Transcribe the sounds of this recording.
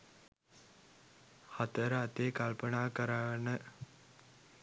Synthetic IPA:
hat̪əɾəat̪eːkalpənaːkəɾaʋənə

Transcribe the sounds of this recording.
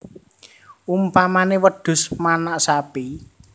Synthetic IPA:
umpamanewəɖ̥ʊ̤smanaʔsapi

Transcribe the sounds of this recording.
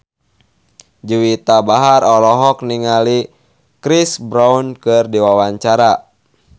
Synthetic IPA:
d͡ʒuwit̪abaɦaɾɔlɔɦɔk̚niŋali | kɾisbɾaunkɨrdiwawaɲt͡ʃaɾa

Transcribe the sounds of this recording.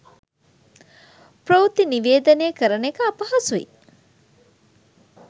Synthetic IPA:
pɾowt̪iniʋeːd̪ɐneːkəɾənekəɐpɐɦɐsuʋḭ

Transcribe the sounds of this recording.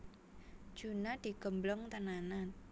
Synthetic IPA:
d̥d͡ʒ̥unad̪̥i̤ɡ̥ə̤mblʊŋt̪ənana

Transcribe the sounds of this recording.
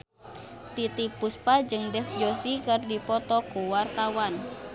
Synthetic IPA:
t̪it̪ik̚puspad͡ʒɨŋdɛfd͡ʒosikɨrdipɔt̪ɔkuwart̪awan

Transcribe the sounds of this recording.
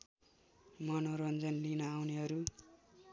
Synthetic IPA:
mʌnoɾʌnd͡zʌnlinʌawneɦʌɾu

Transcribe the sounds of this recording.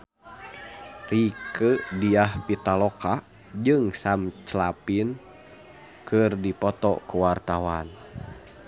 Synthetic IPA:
rikədiahpit̪alɔka | d͡ʒɨŋsamt͡ʃlapin | kɨrdipɔt̪ɔ̰kuwart̪awan

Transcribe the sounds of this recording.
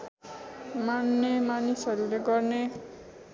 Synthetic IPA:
manːemanisʌɾuleɡʌrne

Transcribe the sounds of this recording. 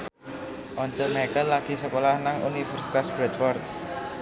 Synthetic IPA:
ʔɔɲt͡ʃɔʔmakəlːaɡ̥i̤səkolahnaŋṵnifɛrsit̪asb̥ɾɛt̪̚fɔrt̪̚

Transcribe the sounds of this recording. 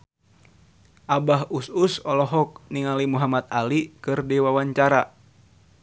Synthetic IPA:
ʔabaɦususɔlɔɦɔk̚niŋalimuɦamat̪̚alikɨrdiwawaɲt͡ʃaɾa

